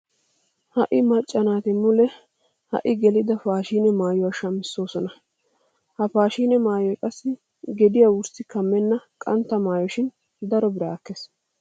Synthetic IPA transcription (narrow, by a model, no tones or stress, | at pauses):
hɐʔɪmɐt͡ʃʼːɐnaːt̪ɪmʊlɛ | hɐ̰ʔɪɡɛlɪd̪ɐfaːʃiːnɛmaːjɔwaʃɐmɪsːo̞ːsɔnɐ | hɐfaːʃiːnɛmaːjɔjkʼɐsːɪ | ɡɛd̪ɪjawʊɾsɪkɐmːɛnːɐkʼɐnt̪ːɐmaːjɔʃɪn | d̪ɐɾɔbɪɾaːkːes